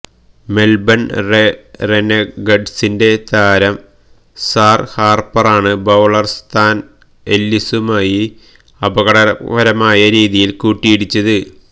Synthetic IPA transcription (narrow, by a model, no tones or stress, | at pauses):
me̞lbɐnrerenɐɡɐɖsinde̞t̪aːɾɐm | saːrhaːrpɐraːɳɨbɐwɭɐrst̪ʰaːn | e̞lːisumaːji | ɐbɐɣɐɽɐʋɐɾɐmaːjɐɾiːðijilkuːʈːijiɽit͡ɕːɐðɨ